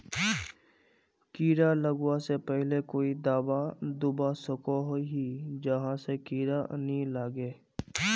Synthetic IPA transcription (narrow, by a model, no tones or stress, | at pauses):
kiːɾaləɡwasepɛɦlekoːid̪aːbad̪ʊbasʊkoɦoɦid͡ʒɐɦãsekiːɾanilaːɡeː